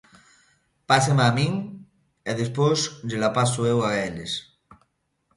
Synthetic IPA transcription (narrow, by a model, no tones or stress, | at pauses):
pasemamĩŋ | eðespozʎelapasuewaeles